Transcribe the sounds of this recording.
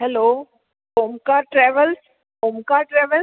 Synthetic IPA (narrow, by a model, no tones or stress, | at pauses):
ɦɛloː | boːmkaʈɾɛʋəls | boːmkaʈɾɛːʋəl